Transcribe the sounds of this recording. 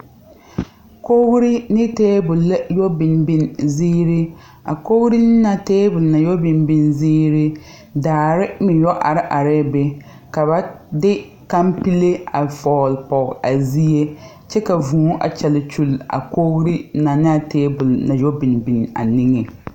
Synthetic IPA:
ko˦ɣɾi˦nɪ˦teː˦bʊ˨lːa˦jɔ˦bɪ˨nbi˦nziː˦ɾi˦ | a̰˨ko˦ɣɾi˦nɪ˦na˨teː˦bʊ˨lna˨jɔ˦bɪ˨nbi˦nziː˦ɾi˦ | daː˨ɾɪ˦mɪ˨jɔ˦ʔa˨ɾɪ˦ʔa˨ɾɪ˦˨be˨ | ka˨ba˦dɪ˦ | ka˦mpi˦le˦a˨fɔː˨lpɔ˨ɣa˨zi˦je˦ | t͡ʃɛ˦ka˨vuː˨˦ʔa̰˨t͡ʃɛ˨lɪ˨t͡ʃu˦la̰˨ko˦ɣɾi˦na˨nɪ˦a˨teː˦bʊ˨lna˨jɔ˦bɪ˨nbi˨na̰˨ni˦ŋɛ˨

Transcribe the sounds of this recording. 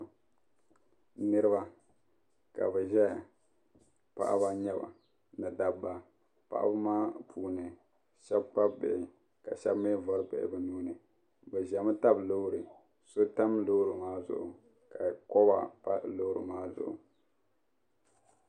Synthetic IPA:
nɨ˦ɾɨ˦ba˨ | ka̰˨bɛ˨ʒɛ˦˨ | pa̰˦˨ʔa̰˦βa˨ɲɛ˦ba̰˨ | nɨ˨da˨bːa˨ | pa̰˨ʔa̰˦bɨ˦maː˦pʰuː˨nɨ˨ | ʃɛ˦bk͡pa˦bḛ˨ʔɪ˨ | ka̰˨ʃɛ˦bme˦vɔ˦ɾbɛ̰˨ʔɪ̰˨bɨ˦nuː˦nɨ˨ | bɛ˨ʒɛ˨m˦ta˦blo˦ɾɨ˨ | so˦ta˦mlo˦ɾɨ˨maː˦zʊ̰˨ʔʊ̰˨ | ka˨kɔ˦ba̰˨pa˦lo˦ɾɨ̰˨maː˦zʊ̰˨ʔʊ̰˨

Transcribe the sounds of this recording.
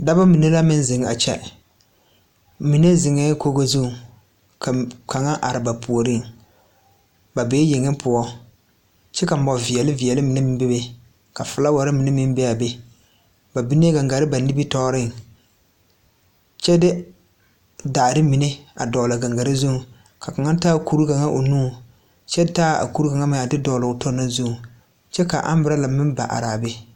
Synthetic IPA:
da˦ba˦mi˨ne˦la˦mɪ˦n˦zɪ˨ŋ˨a̰˨t͡ʃɛ̰˦ | mi˨ne˦zɪ˨ŋɛ˦ko˦ɡo˦zu˦˨ | ka˨ka˨ŋa˦ʔa˨ɾɪ˨ba˨pu˨o˨ɾɪ˦ŋ | ba˨beː˦jɪ˨ŋɪ˦pʰʊ˨ɔ˦ | t͡ʃɛ˦ka˨m̩˦ɔ˨vi˨ɛ˨lɪ˦vi˨ɛ˨lɪ˦mɪ˨nɪ˦mɪ˦m˦be˦be˨ | ka˨fʊ˨la˦wa˨ɾɪ˦mɪ˨nɪ˦mɪ˦m˦be˦a˨be˦ | ba˨bi˦n˦e˦ɡa˨ŋɡa˨ɾɪ˦ba˨ni˦bi˦tɔː˦ɾɪ˦˨ŋ | t͡ʃɛ˦dɪ˦ | daː˨ɾɪ˦mɪ˨nɪ˦a˨dɔ˨la˨ɡa˨ŋɡa˨ɾɪ˦zu˦˨ | ka˨ka˨ŋa˦taː˦ku˦ɾu˦ɡa˨ŋa˦ʔo˨nuː˦ | t͡ʃɛ˦taː˦˨a̰˨ku˦ɾu˦ɡa˨ŋa˦mɪ˨a˨dɪ˦dɔ˨lʊ˨ɡʊ˨tɔ˦na˦zu˦ŋ˨ | t͡ʃɛ˦ka̰˨ʔa̰˦m˦bɾa˦la˨mɪ˦mba̰˨ʔa̰˨ɾaː˨be˦

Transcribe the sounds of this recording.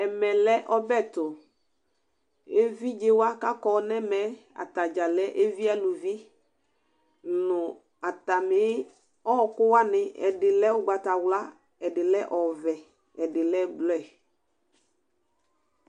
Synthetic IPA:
ɛ˨mɛ˨lɛ˦ʔɔ˦bɛ˦˨tʊ˨ | e˦vi˦d͡ʒe˦wa˦ka˦kɔ˨˦nɛ̃˦mɛ˨˦a̰˨ta˨d͡ʒa˨lɛ˦ʔe˦vi˦a˦lu˨vi˦ | nʊ˨ | a˨ta˨mɪ˦ | ɔ˦˨kʊ˦wa˦nɪ˨ɛ̰˨dɪ˨lɛ˦wʊ˦ɡ͡ba˨ta˨wla˦ | ɛ˨dɪ˨lɛ˦ʔɔ˨vɛ˨ | ɛ˨dɪ˨lɛ˦ɡ͡blɔ˦ɛ˨

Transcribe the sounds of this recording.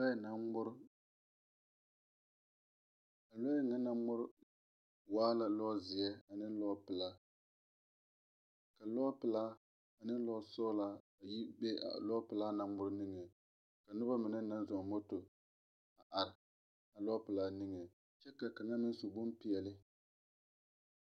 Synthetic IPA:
na˦mʊ˦ɾ | a˨lɔ˦ɛ˦ŋa˦na˦mʊ˦ɾ | waː˦la˦lɔ˦zɪ˨jɛ˦a˨nɨ˦lɔ˦pɨ˨la˦ | ka˨lɔ˦pɨ˨laː˦ | a˨nɨ˦lɔ˦sɔ˦la˦ | a˨ji˦be˦a̰˨lɔ˦pɨ˨laː˦naː˦ʊ˦ɾnɨ˦ŋɛ˨ | ka˨nɨ˦ba˦mɨ˨nɨ˦na˦nzɔ˨ŋ˨mo˦to˨ | a˨ʔa˨ɾɪ˨ | a˨lɔ˦pɨ˨laː˦nɨ˦ŋɛ˨ | t͡ʃɛ˦ka˨ka˨ŋa˦mɨ˦n˦su˨bʊ˦mpi˨ɛ˨lɨ˦

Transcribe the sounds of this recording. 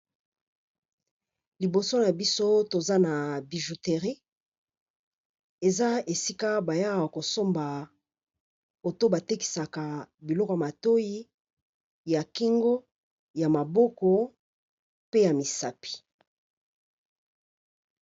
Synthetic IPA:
li˨bo˨so˦na˨bi˦so˦to˨za˦na˨bi˨ʒu˨te˨ʁi˦ | e˨za˦e˨si˦ka˦ba˨ja˦˨a˨ko˨so˦mba˨ | o˨to˦ba˨te˦ki̥˨sa˨ka˨bi˨lɔ˦kɔ˨ja˨ma˨to˦ji˦ | ja˨ki˦ŋɡo˦ | ja˨ma˨bɔ˦kɔ˦ | pe˦ja˨mi˨sa˦pi̥˨

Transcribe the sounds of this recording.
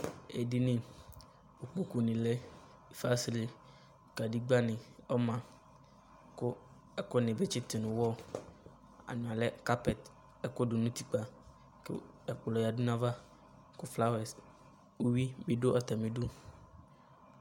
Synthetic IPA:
ḛ˨di˦nɪ̃˨ | o˨k͡po˦ku˨nɪ̃˨lɛ˦˨ | fa˦si˦lɪ˨ | ka˨di˦ɡ͡ba˦nɪ̃˨ɔ˦mã˨ | kʊ˦ | ɛ˦kʊ˦nɪ̃˨be˦t͡ʃɪ˦t̪ɪ˨nʊ̃˨wɔ˦ | a̰˨nʊ̃˨a˨lɛ˦ka˦pɛ˨t̪ | ɛ˦ko˦du˨nũ˦t̪i˨k͡pa˨ | kɪ̰˦ | ɛ˨k͡plɔ˨ja˨du˦nã˦va˦ | kʊ˦fla˦wɛ˨s | o˦wi˦bɪ˨˦ɖo˦ʔa˨t̪a˨mĩ˨ɖu˦

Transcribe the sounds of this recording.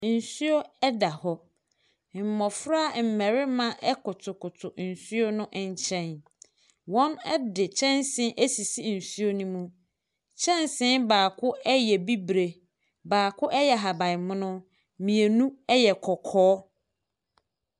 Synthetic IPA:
n̩˨su˦o˦ɛ˦da˨hɔ˦˨ | mɔ̃˨fɾʊ˦a˨m̩˨mɛ̃˨ɾɪ˦mã˦ʔɛ˦kʊ˨tʰʊ˨kʊ˨tʰʊ˨n̩˨su˦o˦nʊ̃˦ʔɛ˨ɲ˦t͡ɕʰɛ̃˦n | wɔ̃˦nɛ˦dɪ˨t͡ɕʰɛ̃˦nsɪ̃˦ʔe˦si˨si˦n̩˨su˦o˦nũ˦mũ˦ | t͡ɕʰɛ̃˦nsɪ̃˦nbaː˨kʰʊ˦ɛ˦jɛ˨bi˦bɾe˨ | baː˨kʰʊ˦ʔɛ˦jɛ˨ɦa˨bã˨ɪ˨mʊ̃˦nʊ̃˦ | mĩ˨e˨nũ˦ɛ˦jɛ˨kʰɔ˨kʰɔː˦

